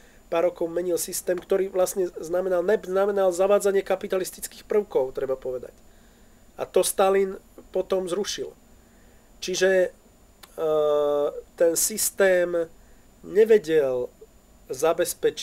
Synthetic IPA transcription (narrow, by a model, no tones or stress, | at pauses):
paːɾːɔkɔʊmɛɲilsist̪ɛːmkt̪ɔɾiːʋlasɲɛznamɛnalnɛbznamɛnalzaʋaːd͡zaɲɪɛkapit̪alist̪it͡skiːxpr̩ʊkɔʊt̪ɾɛbapɔʋɛd̪a̰c | a̰t̪ɔst̪alinpɔt̪ɔmzɾuʃil | t͡ʃiʒɛ | t̪ɛnsist̪ɛːm | ɲɛʋɛɟɛl | zabɛspɛt͡ʃ